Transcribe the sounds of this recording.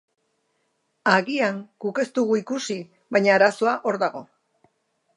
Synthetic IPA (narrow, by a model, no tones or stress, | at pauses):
aɣiaŋɡ̥uke̞st̪uɣuikusi | βaɲaːɾaso̞aʔo̞ɾðaɣ̞o̞